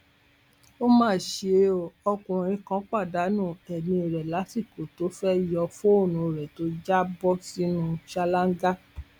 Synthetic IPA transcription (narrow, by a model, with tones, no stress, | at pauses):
o˦mãː˦˨ʃe˧ɔ˧kũ˨ɾ̃ĩ˧kã˦k͡pa˦˨da˨˦nũ˦˨ɛ˨nĩ˧i˨ɾɛ˨la˨˦si˦˨ko˨to˨˦fɛ˦jɔ˧fo˦o˦˨nũ˨ɾɛ˨to˨˦d͡ʒa˦bɔ˦si˦nũ˧ʃa˧la˦ŋ˦ɡa˦